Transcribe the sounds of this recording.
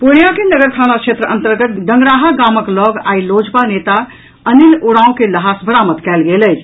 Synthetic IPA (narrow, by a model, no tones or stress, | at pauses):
poɽjakenəɡəɾt̪ʰanakt͡ʃʰet̪ɾəʔə̃nt̪əɾɡət̪̚ɖəŋɡɾaɦaɡaməklɔɡa̰ilod͡ʒpanet̪a | əniloɽãũkeləɦasbʱəɾamət̪kɛlɡeləj